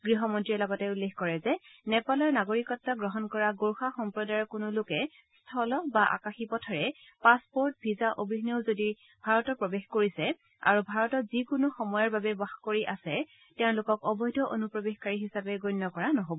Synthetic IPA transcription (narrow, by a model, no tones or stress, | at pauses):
ɡɹiɦɔmɔntɹiɔlɔɡɔtɛulːexkɔɹɛzɛnɛpalɔɹnaɡoɹikɔtːaɡɹɔɦɔnkɔɹaɡoɹxaxɔmpɹɔdaɔkʊnʊlʊkɛ | stʰɔlɔbaʔa̰kaxipɔtʰaɹɛ | paspoɹt̚bʱizaʔobʱiɦneʊzodi | b̥ʱaɹɔtɔpɹɔbexkoɹisɛ | a̰ɹubʱaɹɔtɔtzikʊnoxɔmɔjaɹbabɛbaxkoɹiʔasɛ | tɛʊ̃lʊkɔkɔbɔjdʱɔʔonupɹɔbexkaɹiɦisabɛɡɔjnːɔkɔɹanɔɦobɔ